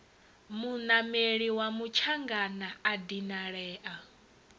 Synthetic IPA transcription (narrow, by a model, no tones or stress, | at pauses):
munameɺiwamut͡ʃʰaŋɡanaadinaɺɛːʔa